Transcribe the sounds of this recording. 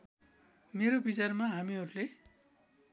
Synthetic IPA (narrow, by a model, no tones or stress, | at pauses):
meɾobit͡sarmaɦamiɦʌɾule